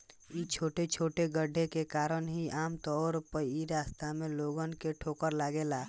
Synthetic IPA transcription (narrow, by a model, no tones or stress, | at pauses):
it͡ʃʰoːʈet͡ʃʰoːʈeɡəɖʱekekaːɾənɦiʔaːmt̪ɔːɾpəiɾaːst̪amẽloːɡənkeʈʰoːkəɾlaːɡeːla